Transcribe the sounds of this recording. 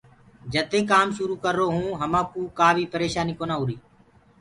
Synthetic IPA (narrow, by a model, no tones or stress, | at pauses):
d͡ʒət̪eːkaːmʃʊɾuːkəɾːoːɦũːɦəmãːkuːkaːʋʱiːpəɾeːʃaːniːkoːnaːɦuːɾiː